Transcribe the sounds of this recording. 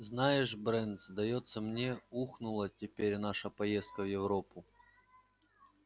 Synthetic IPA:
znajɪʂbɾɛnd̪zd̪ɐjo̞t̪səmnʲeuxnʊlˠətʲɪpʲeɾʲnaʂəpɐje̞st̪̚kəvjɪvɾo̞pʊ

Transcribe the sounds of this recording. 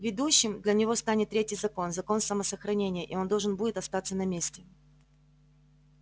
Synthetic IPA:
vʲɪd̪uɕːɪmd̪lʲɐnʲɪvo̞st̪anʲɪt̪ːɾʲetʲɪjzɐko̞nzɐko̞nsəməsəxɾɐnʲenʲɪjəʔḭo̞nd̪o̞lˠʐɨnbudʲɪt̪ɐst̪at̪sːənɐmʲesʲtʲɪ

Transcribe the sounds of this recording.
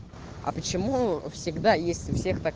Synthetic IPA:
ɐ̰pət͡ɕɪmufsʲɪɡd̪ajesʲtʲʊfsʲe̞xt̪a

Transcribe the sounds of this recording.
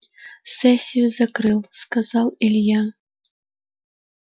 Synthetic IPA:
sɛsʲijuzakɾɨlˠskazawɛlʲja

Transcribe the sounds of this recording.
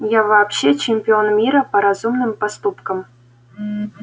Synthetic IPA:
jaʋaːpɕet͡ɕemʲpʲionmʲiɾəpɐɾazumnɨmpast̪upkɤ̆m

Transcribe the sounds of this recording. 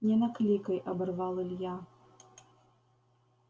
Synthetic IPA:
nʲɛnaklʲikɐjʔɐbɨrvalˠɨlʲja

